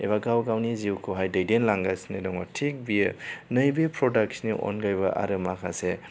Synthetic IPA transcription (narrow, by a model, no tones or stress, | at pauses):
ḛβaɡawɡawniziwkʰoɦajdɐjdenlaŋɡasnedɔŋɔtʰek̚bijnɐjbipʰɾɔdak̚sniʔɔ̰nɡajbɐʔa̰ɾɯmakʰase